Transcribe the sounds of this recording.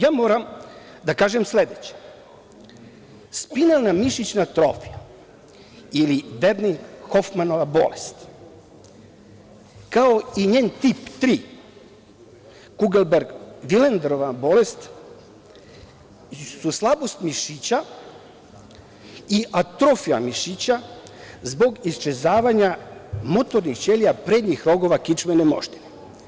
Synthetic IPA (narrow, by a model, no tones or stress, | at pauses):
jaːmoːɾam | d̪akaːʒemsled̪et͡ɕe̥ | spinalnamiʃit͡ɕnat̪ɾofija | ilided̪nixofmanoʋabo̞̰lest̪ | kaoiɲeːnt̪ipt̪ɾi | ɡ̥uɡelbeɾɡʋilend̪ɾoʋabo̞lest̪ | suslˠabo̞st̪miʃit͡ɕa | iʔat̪ɾofia̰miʃit͡ɕazbo̞ɡist͡ʃezaːʋaɲamo̞t̪o̞ɾnixt͡ɕelijapɾeːd̪ɲixɾo̞ɡo̞ʋakit͡ʃmenemo̰ʃt̪i̥ne